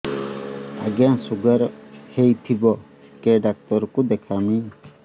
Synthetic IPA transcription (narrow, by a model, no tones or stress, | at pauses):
a̰ɡjaŋsuɡəɾhejt̪ʰibɔ | keɖak̚t̪ɔɾkud̪ɛkʰami